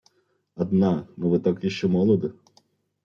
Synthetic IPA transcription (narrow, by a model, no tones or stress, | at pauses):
ɐd̪nɑnuʋɪt̪akjiʃt͡ʃɛmɔlˠɔd̪ɪ